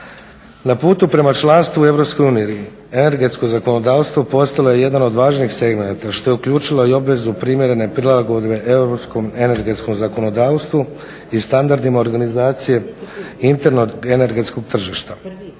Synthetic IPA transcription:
napuːt̪upɾe̞mat͡ʃlˠanst̪ʋue̞ʋɾo̞psko̞juːniji | e̞ne̞ɾɡe̞t̪sko̞zako̞no̞d̪aːʋst̪ʋopo̞st̪alo̞je̞je̞d̪ano̞d̪ʋaːʒnixse̞ɡme̞nat̪aʃt̪o̞je̞ukʎuːt͡ʃiloio̞bʋe̞zupɾimʲjeɾe̞ne̞pɾilˠaɡo̞d̪be̞ʔeʋɾopsko̞me̞ne̞ɾɡe̞t̪sko̞mzako̞no̞d̪aːʋst̪ʋu | ist̪and̪aɾd̪imao̞ɾɡanizaːt̪sije̞int̪e̞ɾnoene̞ɾɡe̞t̪sko̞ɡ̚t̪r̩ʒiʃt̪a

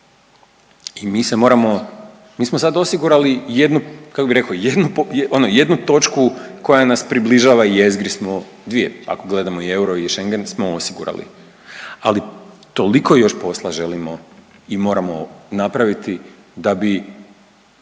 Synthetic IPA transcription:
imiːse̞mo̞ɾamo̞ | miːsmosad̪o̞siɡuɾalijed̪nukakobiɾe̞koje̞d̪nupjo̞noje̞d̪nut̪o̞t͡ʃkuko̞janaspɾibliʒaːʋaie̞zɡɾismo | d̪ʋije̞̰a̰ko̞ɡle̞d̪amoie̞uɾo̞iʃe̞ŋɡensmoosiɡṵɾa̰lḭ | ali | t̪o̞liko̞jo̞ʃpo̞slˠaʒe̞limoimo̞ːɾamo̞napɾaʋit̪i | d̪abi

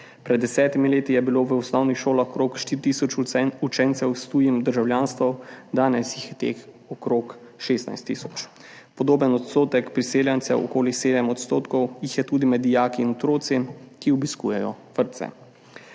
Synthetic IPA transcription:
pɾɛd̪ːɛsɛːt̪imileːt̪ijɛbiloːʋəusnɔwnixʃoːlaxkɾoːkʃt̪iɾit̪iːsɔt͡ʃut͡ʃɛnt̪sɛwst̪uːjimd̪əɾʒawljaːnst̪ʋɔwd̪aːnɛsjixjɛt̪ḛːx | ɔkɾoːk | ʃeːst̪na̰jst̪ːisɔ̥t͡ʃ | pɔd̪oːbənɔt̪st̪oːt̪ɛkpɾiseːljant̪sɛ̰ʔɔ̰koːliseːd̪ɛmɔt̪st̪oːt̪kɔwjixjɛt̪uːd̪imɛd̪ijaːkiːnɔt̪ɾoːt̪sikiɔbiskṵːjɛjɔ̰ʋəɾt̪sɛ̰

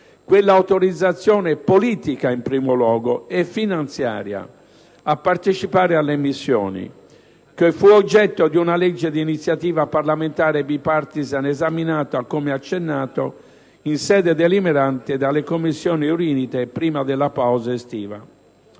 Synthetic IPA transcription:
kwelːawt̪oɾid̪zːat̪sːjɔːnepoliːt̪ikaimpɾiːmolwɔːɡoɛfːinant̪sja̰ːɾja̰ | apːaɾt̪et͡ʃipaːɾealːemisːjɔ̰ːnḭ | kefuɔd͡ʒːɛt̪ːod̪iunalɛd͡ʒːed̪iːnit̪sːjat̪iːvaparlament̪aːɾebipaɾt̪izanɛzaminaːt̪oakːomeat͡ʃːenːaːt̪o | insɛːd̪ɛd̪elimɛɾant̪ed̪alekomːisːjɔːniuɾiːnit̪epɾiːmad̪ɛlːapawzaest̪iːva̰

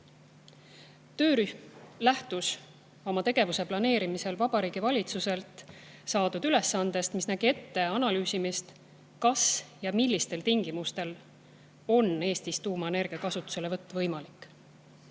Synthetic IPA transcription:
t̪ø̞ːɾyhmlæht̪us | o̞mɑt̪e̞ɡ̥e̞vuse̞plɑne̞ːɾimise̞lvɑb̥ɑɾiːɡ̥ivɑlʲit̪suse̞lt̪sɑːd̪̥ud̪yle̞sːɑnd̪̥e̞st̪misnæɡ̥ie̞t̪ːe̞ɑnɑlyːsimist̪ | kɑsjɑmilʲːist̪e̞lt̪iŋɡ̥imust̪e̞l | o̞ne̞ːst̪ist̪uːmɑene̞rɡ̥iɑkɑsut̪ːˑu̥se̞levɤt̪ːɑvɤjmɑlikːˑ

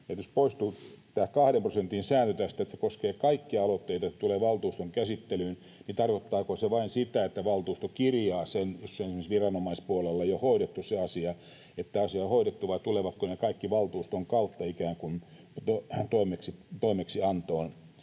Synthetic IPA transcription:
et̪jospoist̪uːt̪æːhkɑhɾemprosent̪insæːnt̪øt̪æst̪æet̪se̥koskeːkɑikːiɑlot̪ːeit̪ɑset̪uleːʋɑlt̪uːst̪oŋkæsit̪ːelyːn | nit̪ɑrkot̪ːɑːkoseʋɑinsit̪æet̪ːæʋɑlt̪uːst̪okirjɑːsenjosːeonesimːsʋirɑnomɑispuolelːejohoiɾet̪ːusseɑsiɑ | et̪ːæɑsiɑohoiɾet̪ːuʋɑit̪uleʋɑt̪konekɑikːiʋɑlt̪uːst̪oŋkɑut̪ːɑikæːŋkun | t̪ot̪oimeksit̪oimeksiɑnt̪oːn

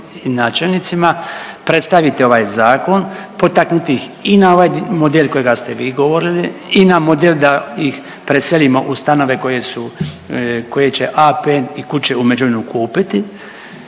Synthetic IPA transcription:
inaːt͡ʃelnit̪simapɾe̞t̪st̪aʋit̪eo̞ʋaːjzaːko̞npo̞t̪aknut̪ixinao̞ʋaːjmo̞d̪elko̞jeɡast̪eʋiːɡo̞ʋo̞ɾiliinamo̞d̪elʲd̪aix | pɾeselimo̞ʔust̪ano̞ʋe̞ko̞jesu | ko̞je̞t͡ɕe̞ʔapenikut͡ɕe̞umed͡ʒuʋenukuːpit̪i

